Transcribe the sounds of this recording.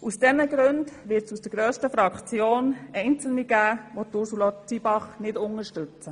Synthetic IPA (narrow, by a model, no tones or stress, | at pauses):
ʔusd̥ɛnəɡɾʉndʋɪtsusd̥əɡɾøːstəfɾɑkt͡sjoːnɛɪnt͡sl̩niɡ̥æːʋotʊɾsulot͡sibɑχnɪdʊŋəʃtʏt͡sə